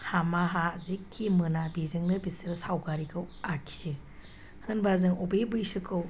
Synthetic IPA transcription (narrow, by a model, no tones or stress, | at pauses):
hamaɦazikʰːimɯnabizɯŋnɯbisɯɾɯsawɡaɾikʰɯwakʰi̥zɯ | hɯnbazɯŋobebɯjsɯkʰːɯw